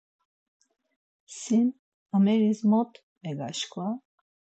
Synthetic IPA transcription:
sin | əmɛɾismɔt̪ʰ | mɛɡa̰ʃkʰʼva

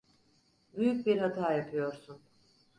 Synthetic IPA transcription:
byjyc̚biɾɦat̪ʰaːjapʰɯjo̞ɾsun

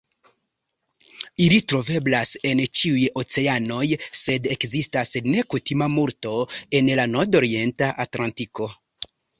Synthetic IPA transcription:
ilitɾo̞ve̞blase̞nt͡ʃiujo̞t͡se̞ano̞jse̞de̞kzistasne̞kutimamuɾto̞e̞nlanoɾdo̞ɾie̞ntaʔatlantiko̞

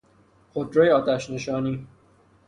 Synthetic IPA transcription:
xod̪ɾejɒːd̪æʃneʃɒːniː

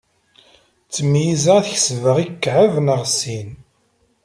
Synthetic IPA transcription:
t͡sːəmːijizæθçsvəʁikːʕəvnəʁsin

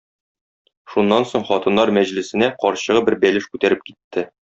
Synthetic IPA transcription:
ʃunːɑnsoɴχɒt̪ɤ̆nːɑɾmæʑlɘ̆sɘ̆næqɒɾɕɤ̆ʁɤbɘɾbælɘʃkʉt̪æɾɘp̚kit̪ːɘ

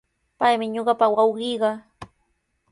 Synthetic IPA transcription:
pajmɪɲoɢɑpawɑwɢɪjɢɑ

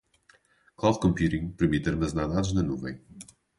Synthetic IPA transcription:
klˠawð̚kõmpjuɾĩŋɡpɨɾmit̪eɾmɐznaðaðuʒnɐnuvɐ̰̃j̃

